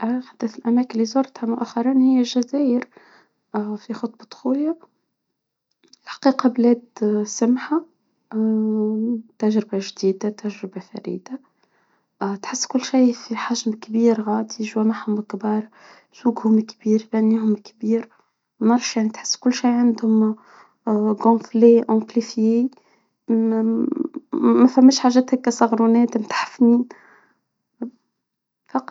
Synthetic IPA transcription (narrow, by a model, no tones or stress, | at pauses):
ʔxad̪ːæθəlʔæmækəlːizʊɾˤt̪hamʊʔæxɑɾˤinhɪjːæʒæzæjəɾ | fixʊt̪ˤbɑt̪ˤxuja | lħḁqiːqɑblæːd̪samħa | t̪æʒɾɪbaʒd̪iːd̪at̪æʒɾɪbafæ̰ɾḭːd̪a | t̪ħəsːkʊlːʃiːfiħaʒmkbiːɾɣɑːd̪iʒwæmaħhʊmkbɑɾˤ | suːɡhʊmkbiːɾbænːiːhʊmkbiːɾ | nɑɾˤʃjaʕnit̪ħɪ̥sːkʊlːʃiːʕand̪hʊm | ɡɑ̃ːfleʔɑ̃klifji | mːæfæmːæːʃħaʒɛːt̪hækːæsˤɑɣɾunɛːt̪mt̪ḁħḁfniːn | fɑq